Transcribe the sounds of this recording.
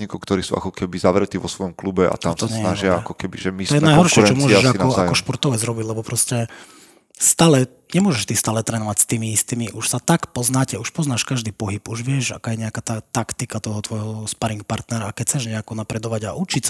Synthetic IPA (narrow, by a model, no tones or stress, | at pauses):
ɲikɔʊkt̪ɔɾiːsuːa̰kɔkʰɛbizaʋɾɛt̪iːʋɔsʋɔjɔmklubɛʔa̰t̪amsɔɲɛɛjnaʒɪaa̰kɔkɛbiʒɛmiɔjɛnajɦɔɾʃɪɛt͡ʃɔmʊɔʒɛʃanɔajkɔʃpɔɾt̪ɔʋɛzɾɔbiɟlɛbɔpɾɔscɛ | st̪aːlɛ | ɲɛmʊɔʒɛʃt̪ist̪aːlɛt̪ɾɛːnɔʋacst̪iːmiist̪iːmiʔuʃsat̪akpɔznaːcɛuʃpɔznaːʃkaʒd̪iːpɔɦipuʒʋɪɛʒa̰kaːjɛɲɛakaːt̪at̪akt̪ikat̪ɔɦɔt̪ʋɔjɦɔspaɾiŋk̚paɾt̪nɛɾakɛc̚t͡sɛʒɲɛakɔnapɾɛd̪ɔʋaɟa̰ʔut͡ʃis